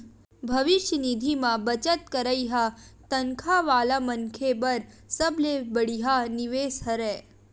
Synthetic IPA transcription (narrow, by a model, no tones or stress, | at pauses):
bʱəʋɪʃjənid̪ʱimãbət͡ʃət̪kəɾəjɦat̪əŋkʰaʋaːlamənkʰebəɾ | səblebəɽiɦaniʋeːsɦəɾe